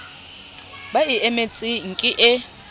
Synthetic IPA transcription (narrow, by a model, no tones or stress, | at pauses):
baɪɛmɛt͡sʼɪŋ̩kʼɪʔɪ